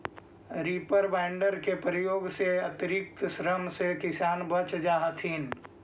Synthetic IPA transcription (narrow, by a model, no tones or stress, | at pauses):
ɾiːpəɾbɛːɳɖəɾkepɾəjoːɡseɐt̪iɾɪk̚t̪ʃɾəmsekɪsaːnbət͡ʃd͡ʒaːɦət̪ʰiːn